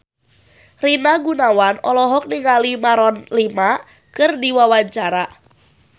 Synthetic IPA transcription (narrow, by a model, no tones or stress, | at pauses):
rinaɡunawanɔlɔɦɔk̚niŋalimaɾɔnlima | kɨrdiwawaɲt͡ʃaɾa